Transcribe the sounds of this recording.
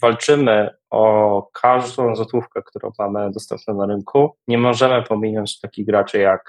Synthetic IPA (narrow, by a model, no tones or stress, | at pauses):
valt͡ʂɘmɘ | ɔkʰaʐd̪ɔ̃w̃zɔt̪wufkɛkt̪uɾɔ̰̃w̃mamɘd̪ɔst̪ɛ̰mpnɛnaɾɘŋkʰuɲɛmɔʐɛmɘpɔmʲinɔɲt͡ɕt̪akʲiɣɡɾat͡ʂɘjak